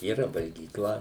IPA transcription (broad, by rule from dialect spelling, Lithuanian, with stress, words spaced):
iːˈrɐ ʋɐlʲɡʲiːˈklˠɐ